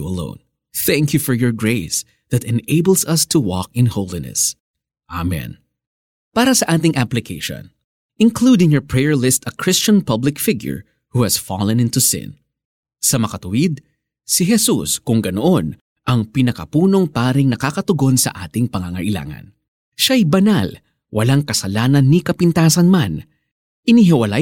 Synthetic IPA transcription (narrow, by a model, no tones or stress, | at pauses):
ɐlõ̰ʊ̃n | θæ̃ŋkjufɔɹjɔɹɡɹeɪs | ðɐt̪ɛ̃neɪbəlˠsɐst̪ʰuwɔ̰k̚ɪ̃nhowlinɛ̰s | ʔamɛ̰̃n | paːɾɐsɐʔaːt̪ɪŋʔaplɪkʰeʃɔ̰̃n | ʔɪnklud̪ɪ̃ŋjɔɹpɹɛjɛɹlɪst̪ɐkʰɹɪst͡ʃɐ̃npʌblɪkfɪɡjʊ̰ɹ | huhɐsfɑ̰lɛ̃nɪ̃nt̪usɪ̰̃n | sɐmɐkɐt̪ʊwɪd̪̚ | siɦɛsṵskʊŋɡɐnoʔon | ʔɐŋpɪnɐkɐpuːno̞ŋpaːɾɪŋnɐkakɐt̪ʊɡo̞nsɐ̰ʔa̰ːt̪ɪŋpɐŋaŋɐ̰ʔɪla̰ːŋɐ̰n | ʃaɐjbɐnal | wʔɐlaŋkɐsɐlaːnɐnːikɐpɪnt̪aːsɐnman | ʔɪniɦɪwɐla